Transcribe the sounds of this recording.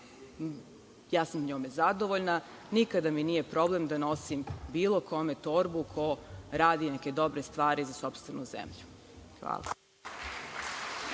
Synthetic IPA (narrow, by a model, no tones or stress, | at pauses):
jaːsamɲoːmezad̪o̞ʋoʎna | nikad̪aminije̞pɾo̞ble̞md̪ano̞simbiːlˠo̞kʰo̞me̞t̪o̞ɾbukʰo̞ɾaːd̪ineke̞d̪o̞bɾe̞st̪ʋaːɾizaso̞pst̪ʋe̞nuzḛmʎu̥ | xʋa̰ːlˠa̰